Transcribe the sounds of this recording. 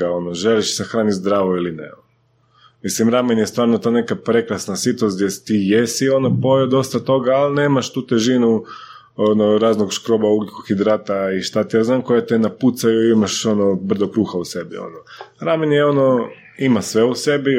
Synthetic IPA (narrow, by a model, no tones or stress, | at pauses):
ao̞noʒeliʃsexɾaːnizd̪ɾaːʋoilinḛo | mislimɾamenjest̪ʋaːɾnot̪oːnekapɾe̞klasnasit̪osd̪ʲjesi̥t̪ijesio̞nopo̞jod̪o̞st̪at̪o̞ɡaːline̞ːmaʃt̪uːt̪eʒinu | onoɾaːznoɡʃkɾo̞bauɡlikoxid̪ɾat̪aiʃt̪at̪ijaznaːmko̞jat̪enaput̪sajuimaʃo̞nobr̩zokɾuːxause̞bio̰noɾamenjeo̞no̞ | imasʋe̞use̞bi